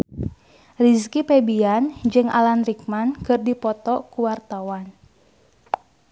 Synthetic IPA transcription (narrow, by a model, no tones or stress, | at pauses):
riskipebiand͡ʒɨŋa̰lanrik̚mankɨrdipɔt̪ɔkuwart̪awan